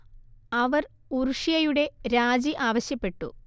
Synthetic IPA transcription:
ɐʋɐr | uruʂijɐjuɽe̞ɾaːd͡ʑiʔaːʋɐɕjɐpːe̞ʈːṵ

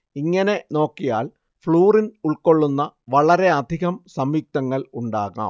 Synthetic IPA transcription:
iŋːɐne̞no̞ːkːija̰ːl | fɭuːrinuɭko̞ɭːunːɐʋɐɭɐɾe̞ɐd̪ʱiɣɐmsɐmːiːk̚t̪ɐŋːɐɭuɳɖaːɣɐ̰ːm

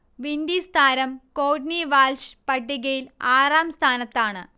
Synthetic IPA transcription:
ʋind̪ist̪ʰaːɾɐmkoːʈniʋaːlʂpɐɖːiɣɐjilaːraːmst̪ʰaːnɐt̪ːaːɳɨ

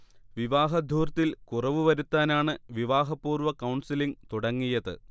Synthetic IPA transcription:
ʋiʋaːɦɐd̪ʱuːrt̪ːilkurɐʋɨʋɐɾut̪ːaːnaːɳɨʋiʋaːɦɐpːuːrʋɐkɐwɳsiliŋt̪uɽɐŋːijɐðɨ̰

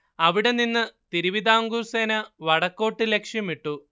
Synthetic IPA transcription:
ɐʋiɽe̞ninːɨt̪iɾuʋid̪aːŋɡurseːnɐʋɐɽɐkːo̞ːʈːilekʂjɐmiʈːu

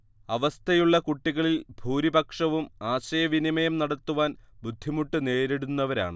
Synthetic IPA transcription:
ɐʋɐst̪ʰɐjuɭːɐkuʈːiɣɐɭilbʱuːɾibɐkʂɐʋumaːɕɐjɐʋinimɐjɐmnɐɽɐt̪ːuʋaːnbud̪ʱːimuʈːɨne̞ːɾeɽunːɐʋɐɾa̰ːɳɨ

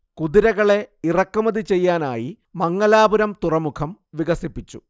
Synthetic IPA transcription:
kuðiɾɐɣɐɭe̞irɐkːumɐðit͡ɕe̞jːaːna̰ːji | mɐŋːɐlaːbuɾɐmt̪urɐmukʰɐm | ʋiɣɐsipːit͡ɕːu

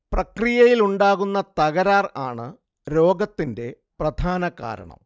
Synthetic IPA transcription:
prɐkrijɐjiluɳɖaːɣunːɐt̪ɐɣɐɾaːraːɳɨ̰ | ɾo̞ːɡɐt̪ːinde̞ | prɐd̪ʱaːnɐka̰ːɾɐ̰ɳɐ̰m

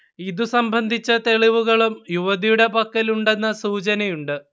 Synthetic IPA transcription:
iðusɐmbʱɐnd̪ʱit͡ɕːɐt̪e̞ɭiʋuɣɐɭumjuʋɐðijuɽe̞pɐkːɐluɳɖe̞nːɐsuːt͡ɕɐnɐjuɳɖɨ

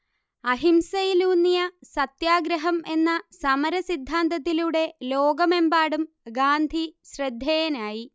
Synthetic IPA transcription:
ɐɦimsɐjiluːnːijɐsɐt̪jaːɡɾɐɦɐme̞nːɐsɐmɐɾɐsid̪ʱːaːnt̪ɐt̪ːiluɽe̞loːɡɐme̞mbaːɽum | ɡaːnd̪ʱiɕrɐd̪ʱjɐjɐnaːji

